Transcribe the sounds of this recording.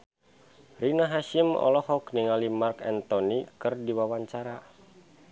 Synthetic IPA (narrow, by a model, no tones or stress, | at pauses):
rinaɦaʃimɔ̰lɔhɔkniŋalimarkɛ̰nt̪ɔnikɨrdiwawaɲt͡ʃaɾa